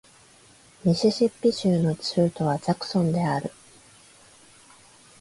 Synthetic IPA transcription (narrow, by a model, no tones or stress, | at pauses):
mʲiɕiɕipʲːiɕɨːno̞t͡ɕi̥ɯːt̪o̞βazakɯ̟̥sõ̞nd̪e̞aɾɯ̟